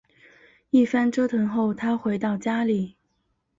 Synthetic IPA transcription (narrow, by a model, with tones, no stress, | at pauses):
i˥˩fa˥nʈ͡ʂɤ˥t̪ʰwə˧˥ŋxo˥˩ʊt̪ʰa˥xwe˧˥ɪt̪ɑ˥˩ʊt͡ɕja˥li˨˩˦